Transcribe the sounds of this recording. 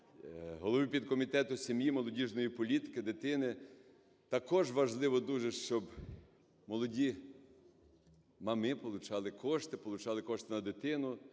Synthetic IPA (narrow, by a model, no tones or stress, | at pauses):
ɦɔlˠɔʋipʲid̪̚kɔmʲit̪ɛt̪ʊsʲemjimɔlˠɔdʲiʒnɔjipɔlʲit̪ɪ̥kɪd̪ɪt̪ɪnɪ | t̪ɐkɔʒʋɐʒlˠɪʋɔd̪uʒɛʃt͡ʃɔb | mɔlˠɔdʲi | mɐmɪpɔlˠʊt͡ʃɑlˠɪkʰɔʃt̪ɪpɔlˠʊt͡ʃɑlˠɪkɔʃt̪ɪnɐd̪ɪt̪ɪnʊ